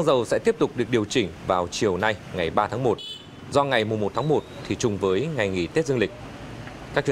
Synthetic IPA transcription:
a˧ŋzə˨˩wsɛ̰˧˥t̪i˦˥əp̚t̪ʊ˨˩k͡p̚ɗɨ˨˩ək̚ɗi˨˩əwt͡ɕï˧˩ŋ̟vaː˨˩wt͡ɕi˨˩əwna˧jŋa˨˩jɓaː˧t̪ʰaː˨˦ŋmo˨˩t̚ | zɔ˧ŋa˨˩jmʊ˨˩ŋ͡mmo˨˩t̪ʰaː˨˦ŋmo˨˩t̚t̪ʰi˨˩t͡ɕʊ˨˩ŋ͡mvəː˨˦jŋa˨˩jŋḭ˧˩t̪e˦˥t̚zə˧ŋlï˨˩k̟̚ | kaː˦˥k̚t͡ɕ

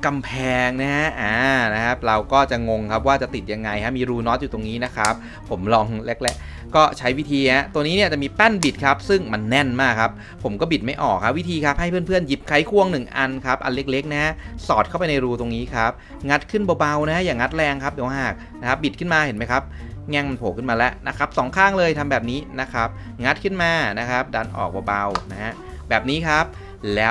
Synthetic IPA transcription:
ka˧mpʰɛː˧ŋna˦˥ɦa˦˥aː˧˩na˦˥kʰa˦˥p̚ɾa˧wkɔː˥˩t͡ɕa˨˩ŋo˧ŋkʰa˦˥p̚waː˥˩t͡ɕa˨˩t̪i˨˩t̪̚ja˧ŋːa˧jkʰa˦˥miː˧ɾuː˧nɔː˦˥t̪̚juː˨˩t̪o˧ŋniː˦˥na˦˥kʰa˦˥p̚ʰːo˩˦mlɔ˧ŋle˦˥k̚le˦˥ | kɔː˥˩t͡ɕʰa˦˥jwi˦˥t̪ʰiː˧ha˦˥t̪o˧niː˦˥ni˥˩t͡ɕa˨˩ʔmiː˧pɛ˥˩nbi˨˩t̪̚kʰa˦˥p̚sɯ˥˩ŋma˧nːɛ˥˩nmaː˥˩kʰa˦˥p̚ʰːo˩˦mkɔː˥˩bi˨˩t̪̚ma˥˩jʔɔː˨˩kʰa˦˥wi˦˥t̪ʰiː˧kʰa˦˥p̚ha˥˩jpʰɯ˥ənpʰɯ˥˩ənji˦˥p̚kʰa˦˥jkʰu˥˩əŋnɯ˨˩ŋʔa̰˧nkʰa˦˥p̚ʔa̰˧nle˦˥k̚le˦˥k̚na˦˥ha˦˥sɔː˨˩t̪̚kʰa˥˩wp̬a˧jna˧jɾuː˧t̪o˧ŋniː˦˥kʰa˦˥p̚ | ŋa˦˥t̪̚kʰɯ˥˩nbɔː˧ba˧wna˦˥ha˦˥jaː˨˩ŋa˦t̪̚lɛː˧ŋkʰa˦˥p̚d̪i˨˩˦wa˧ɦaː˨˩k̚ | na˦˥kʰa˦˥p̚bi˨˩kʰɯ˥˩nmaː˧he˩˦nma˦˥jkʰa˦˥p̚ | ŋɛ˥˩ŋma˧npʰoː˨˩kʰɯ˥˩nmaː˧lɛ˦˥ʔna˦˥kʰa˦˥p̚sɔː˨˩˦ŋkʰaː˥˩ŋlɤː˧jt̪ʰa˧mbɛː˨˩p̚niː˦˥na˦˥kʰa˦˥p̚ | ŋa˦˥t̪̚kʰɯ˥˩nmaː˧na˦˥kʰa˦˥p̚daː˧nʔɔ̰ː˨˩k̚bɔː˧ba˧wna˦˥ha˦˥ʔ | bɛː˨˩p̚niː˦˥kʰa˦˥p̚ | lɛː˦˥

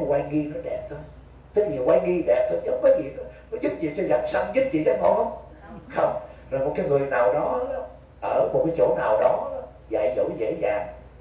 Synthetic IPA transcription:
kwaː˧jŋi˧nɔ˨˦ɗɛ˨˩p̚t̪ʰo˧j | t̪ʰe˨˦vi˨˩waː˧ŋi˧ɗɛ˨˩p̚t̪ʰoː˧jzə˨˦wŋ͡mkɔː˨˦jzi˨˩nɔ˨˦nɔ˨˦zu˦˥p̚t͡ɕḭ˨˩t͡ɕɔ˧za˨˩t̚sa˧ŋzu˦˥p̚t͡ɕḭ˧˨zɛ˨˦p̚kɔ˨˦hə˧wŋ͡m | xə˧wŋ͡mzo˨˩jmo˨˩t̚kaː˨˦jŋɨ˨˩əjnaː˨˩wɗɔ˨˦˨ | ʔəː˧˩mo˨˩t̚kaː˨˦jt͡ɕo̰˧˩naː˨˩wɗɔ˨˦ɔ˨˦ | za̰ː˧˨jzo̰˧˩zḛ˧˥zaː˨˩ŋ

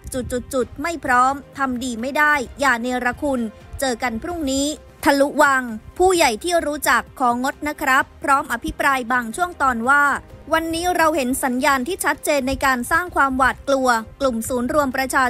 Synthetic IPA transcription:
t͡ɕu˨˩t̪̚t͡ɕu˨˩t̪̚t͡ɕu˨˩t̪̚ma˥˩jpʰɾɔː˦˥mt̪ʰa˧mdiː˧ma˥˩jdaː˥˩jːaː˨˩neː˧ɾa˧kʰu˧n | t͡ɕɤː˧ka˧npʰɾu˥˩ŋniː˦˥ | t̪ʰa˧lu˦˥wa˧ŋpʰuː˥˩ja˨˩jt̪ʰiː˥˩ɾuː˦˥t͡ɕa˨˩kʰːɔː˩˦ŋo˦˥t̪̚na˦˥kʰɾa˦˥pʰːɾɔː˦˥mʔa˧pʰi˦˥pɾaː˧jbaː˧ŋt͡ɕʰu˥˩əŋt̪ɔː˧nwaː˥˩wa˧nːiː˦˥ɾa˧whe˩˦nsa˩˦njaː˧nt̪ʰiː˥˩t͡ɕʰa˦˥t̪̚t͡ɕeː˧nːa˧jkaː˧nsaː˥˩ŋkʰwaː˧mwaː˨˩t̪̚klu˧ɐklu˨˩msuː˩˦nɾu˧əmpɾa˧t͡ɕʰaː˧

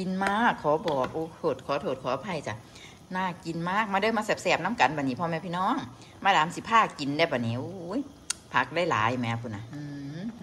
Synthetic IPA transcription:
ki˨nmaː˧˥˩kʰːɔː˨˦bɔː˨˩k̚ʔoː˧˦oː˧˩t̪̚kʰɔː˨˦t̪ʰoː˧˩t̪̚kʰɔː˨˦˧pʰa˧˩jt͡ɕa˧˩ | naː˧˥˩ki˨nmaː˧˥˩k̚ma˧dɤː˧˥˨maː˧sɛː˧˩p̚sɛː˧˩p̚na˧˥˨mka˨˦nba˧˩niː˧˩pʰɔː˧mɛː˧pʰiː˧˨nɔː˧˥˨ŋ | maː˧˩daː˨˦msi˧˦pʰaː˧˩ki˨nda˧˩ba˨˩˨niː˨˦ʔoː˧˦j | pʰa˧˩k̚laː˧˥˨jla̰ː˨˦jmɛ˧˨˧kʰuː˧˩na˧ʔɯː˧

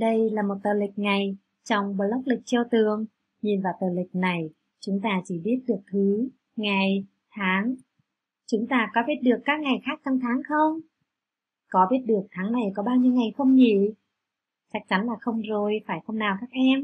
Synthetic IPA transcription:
ɗə˧jlaː˨˩mo˨˩t̚t̪əː˨˩lï˨˩k̟̚ŋa˨˩j | t͡ɕɔ˧wŋ͡mɓə˧˨˩lə˦˥wk͡p̚lï˨˩k̚t͡ɕi˧wt̪ɨ˨˩əŋ | ɲi˨˩nvaː˨˩wt̪əː˨˩lï˨˩k̟̚na˨˩j | t͡ɕʊ˨˦ŋ͡mt̪aː˧t͡ɕi˧˩ɓi˦˥ət̚ɗɨ˨˩ək̚t̪ʰi˨˦ | ŋa˨˩j | t̪ʰaː˨˦ŋ | t͡ɕʊ˨˦ŋ͡mt̪aː˧kɔ˨˦ɓi˦˥ət̚ɗɨ˨˩əkːaː˦˥k̚ŋa˨˩jxaː˦˥k̚t͡ɕɔ˧wŋ͡mt̪ʰaː˨˦ŋxə˧wŋ͡m | kɔ˨˦ɓi˦˥ət̚ɗɨ˨˩ək̚t̪ʰaː˨˦ŋna˨˩jkɔ˨˦ɓaː˧wɲi˧wŋa˨˩jxə˧wŋ͡mɲḭ˧˨ | t͡ɕa˦˥k̚t͡ɕa˨˦nlaː˨˩xə˧wŋ͡mzo˨˩jfaː˧˩jxə˧wŋ͡mnaː˨˩wkaː˦˥k̚ʔɛ˧m

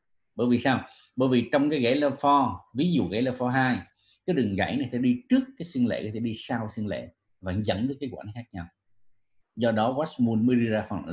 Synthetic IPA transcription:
ɓəː˧˩˦jvi˨˩saː˧w | ɓə̰ː˧˦jvi˨˩t͡ɕɔ˧wŋ͡mkaː˨˦jɣe˧˩˦ləː˧˩fɔ˧vi˨˦zṵ˧˨ɣa̰˧˩ləː˨˧˩fɔ˧ɦaː˧j | kaː˨˦jɗɨ˨˩ŋɣa̰˧˩jna˨˩t̪ʰḛ˧˩˥ɗi˧t͡ɕɨ˦˥əkːaː˨˦jsi˧ŋlḛ˧˨˩kɔ˨˦t̪ʰe˧˩ɗi˧saː˧wsi˧ŋlḛ˧˨ | va̰ː˧˩ŋzə̰˧˥nɗɨː˦˥kːaː˨˦jkwa̰ː˧˩˦nxaː˦˥k̚ɲa˧w | zɔ˧ɗɔ˨˦ɣwa˦˥smu˧ənmə˨˦ɗɨ˧zaː˧fɔ˨˩

